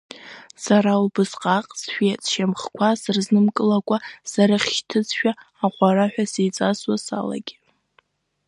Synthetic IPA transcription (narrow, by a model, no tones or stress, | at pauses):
saɾaubɨsqʼaqʼsʃᶣet͡sʼʃamχkʷʰasɨrznɨmkʼɨlakʷʼasaɾaχʲʃtʰɨt͡sʰʼʃᶣaː | qʷʼaraħʷᶣasejt͡sʼaswasa̰la̰ɡʲi